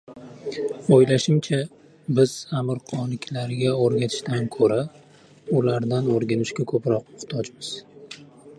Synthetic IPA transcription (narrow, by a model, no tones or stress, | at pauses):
ojlaʃɪmt͡ʃʰa | bɪz̥amɪɾqʰɒnɪkʲʰlaɾɡʲaoɾɡʲat̪ʰɪ̥ʃt̪ankʰɵɾa | ʊlaɾd̪anoɾɡʲanɪʃɡʲakʰɵpɾɒqʊχt̪ʰɒd͡ʒmɪz̥